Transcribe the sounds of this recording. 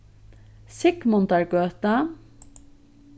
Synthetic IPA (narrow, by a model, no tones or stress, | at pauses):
sɪkmʊnt̪æɹɡøːt̪ə